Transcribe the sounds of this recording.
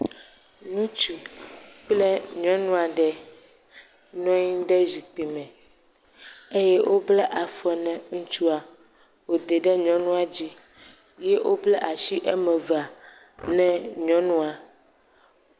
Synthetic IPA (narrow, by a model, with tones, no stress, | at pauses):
nũ˦t͡ʃu˨k͡plɛ˦ɲɔ̃˦nũ˦a˨ɖɛ˨ | ɲɔ̃˦ɲĩ˦ɖɛ˦zi˨k͡pi˨mɛ̃˨ | e˦jɛ˦wʔo˦blɛ˦ʔa˨fɛ˨nɛ̃˨ŋũ˦t͡ʃu˦a˨ | wo˨d̪e˨ɖɛ˦ɲɔ̃˦nũ˦a˨d͡ʑi˦ | jɛ˦ʔwo˦blɛ˦ʔa˨ʃi˦ʔɛ˦mɛ̃˨va˨ | nɛ̃˦ɲɔ̃˦nũ˦a˨